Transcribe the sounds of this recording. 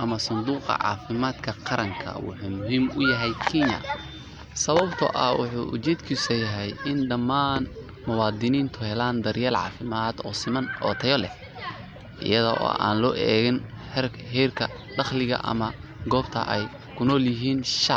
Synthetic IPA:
ʔɐmɐsɐnd̪uːqɑ̰ʕɑ̰ːfɪmaːd̪kʰɐqɑɾɐŋkʰɐ̰wʊ̰ħuːmʊɦimʊjɐɦɛjkʰinjɐ̰ | sɐβɐbt̪ʰʊ̰ʔɐwʊħṵːʔʊ̰t͡ʃɛːd̪kʰisɐjɐɦɛjʔɪnɖɐmaːn | mʊwɑːd̪ɪniːnt̪ʰʊhɛlaːnd̪ɐɾjaːlʕɑ̰ːfɪmaːd̪̥ɔːsɪmɐnʔɔ̰ːt̪ʰɐjɔlɛ̰h | ʔɪ̰jɐðɔʔɔ̰ːʔa̰ːnlɔːʔɛːɣɪnhɛr | hɛrkʰɐ | ɖɑχlɪɣɐ̰ʔɐ̰mɐ | ɡɔːbt̪ʰɐ̰ʔɛj | kʰʊnɔːljɪɦiːnʃɑʕ

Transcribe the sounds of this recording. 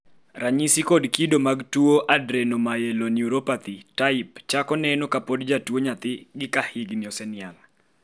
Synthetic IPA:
ɾaɲisikodkidomaɡtuoʔadɾenomajelonjuɾopat̪itaɪpt͡ʃakɔnɛnokapodd͡ʒatwoɲat̪ɪɡɪkahɪɡniɔsɛnɪal

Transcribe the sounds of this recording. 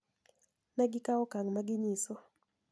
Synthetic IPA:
naɡɪkaɔkaŋmaɡɪɲisɔ

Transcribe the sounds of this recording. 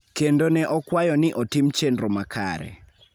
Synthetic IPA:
kendonɛʔɔkwajɔnɪʔɔtɪmt͡ʃendɾomakʰa̰ɾɛ̰

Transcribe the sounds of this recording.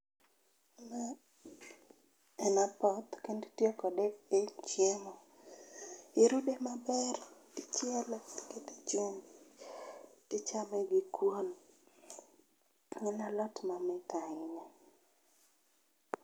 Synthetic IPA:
ma | ɛnapɔt̪kendtjɔkɔdɛket͡ʃjɛmɔ | ɪɾudemabɛrtit͡ʃɛlketet͡ʃum | tɪt͡ʃamɛɡikwon | ŋɛnalɔtmamɛkaɪɲa

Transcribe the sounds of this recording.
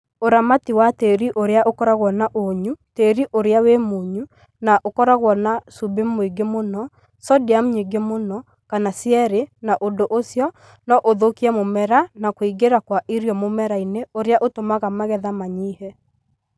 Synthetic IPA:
oɾamatiwateɾiʔoɾeaʔokɔɾaɣwɔnaʔoɲuteɾiʔoɾeawemoɲu | naʔokɔɾaɣwɔnasubemːoiɡemonɔ | sɔdiam̩ɲiɡemonɔ | kanasiɛɾenaʔondoʔosjɔ | nɔʔoðokiɛmomɛɾanakoiɡeɾakwaʔiɾjɔmomɛɾaineoɾeaʔotomaɣamaɣɛðamaɲiːhɛ

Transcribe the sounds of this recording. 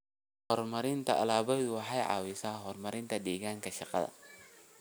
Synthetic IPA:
hɔrmɐɾɪnt̪ʰɐʔɐ̰laːβɔjðʊwɑħɑjʕɑ̰ːwɪsaːɦɔrmɐɾɪnt̪ʰɐd̪iːɣaːŋkʰɐʃɑqɑ̰ðɐ̰

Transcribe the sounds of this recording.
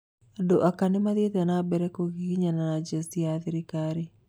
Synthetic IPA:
adoʔakanemaðetanabɛɾɛkoɣiɣiɲananad͡ʒastiaðeɾikaɾe

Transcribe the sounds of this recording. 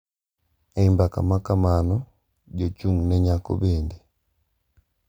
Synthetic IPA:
aimbaka̰makamanɔ | ɟɔt͡ʃuŋnɛɲako̰bendi

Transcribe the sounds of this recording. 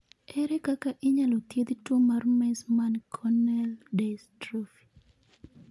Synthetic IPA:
ɛɾɛkakaʔɪɲalot̪jed̪tomarmɛsmankʰɔnɛldestɾofi̥

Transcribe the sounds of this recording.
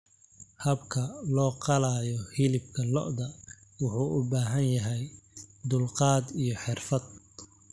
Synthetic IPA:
hɐbkʰɐlɔːqɑlaːjɔhɪlɪb̚kʰɐlɔ̰ʔd̪ɐ | wʊħuːʔʊbaːɦɐnjɐɦɛjd̪ʊlqɑːd̪ijɞħɪrfɐd̪̚

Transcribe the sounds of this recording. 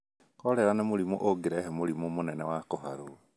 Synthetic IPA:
kɔɾɛɾanemoɾimoʔoɡeɾɛɦɛmolimomonɛnɛwakoɦa̰ɾo

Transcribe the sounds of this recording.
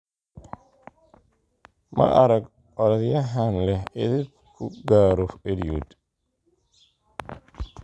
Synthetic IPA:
mɐ̰ʔɐɾɐɡ | ʔɔɾɐðjɐɦanlɛhɪ̰ðɪ | kʰʊɡaːɾɔfɛɾjṵːd̪

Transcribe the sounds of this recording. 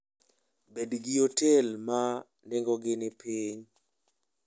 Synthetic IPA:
bedɡɪotɛlma | ndɛŋɡɔɡɪnɪpiɲ

